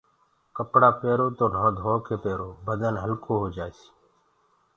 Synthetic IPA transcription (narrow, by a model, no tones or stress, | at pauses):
kəpɽaːpeːɾoːt̪oːnoːd̪ɦoːkʰeːpeːɾoːbəd̪ənɦəlkʰoːɦoːd͡ʒaːeːsi̥